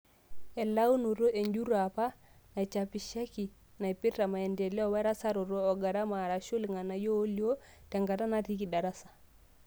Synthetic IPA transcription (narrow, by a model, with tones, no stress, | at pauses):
e˨la˦wu˦nu˨ɾo˦ʔe˨ɲɟu˦ɾa˨pa˦ | na˨t͡ʃa˨pi˨ʃa˦ki˨ | na˨jpi˦ɾa˨ma˨e˨nde˨le˦ɔ˦˨we˦ɾa˦sa˦ɾu˨ɾoː˦˨ɡa˨ɾa˦ma˨ɾa˨ʃu˦lŋa˨na˨joː˦li˦o˦ | te˨ŋɡa˨ta˦na˦ti˦ki˨da˨ɾa˦sḁ˨